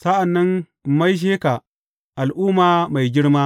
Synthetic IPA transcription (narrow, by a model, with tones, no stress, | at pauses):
sɐ˦ʔa˨nːɐ˦n | mːa˦jʃ̬eː˦ka˨ | ʔa˨lʔuː˦maː˨ma˨jɡʲɪ˦ɽmaː˦